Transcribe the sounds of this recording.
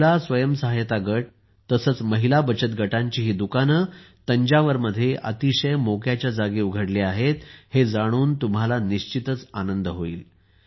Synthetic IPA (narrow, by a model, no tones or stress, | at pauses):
lasʋəjəmsəɦajt̪aɡəʈ̚ | t̪əsəːt͡sməɦilabət͡ɕət̪ɡəʈaɲt͡ɕiːɦiːd̪ukanət̪əɲd͡ʑaʋəɾməd̪ʱːjeʔə̰t̪iɕəjmokjat͡ɕjad͡zaɡiːuɡʱəɽleaɦet̪hed͡zaɽ̃uːnt̪umɦalaniɕt͡ɕit̪ət͡sanənd̪əɦoḭːl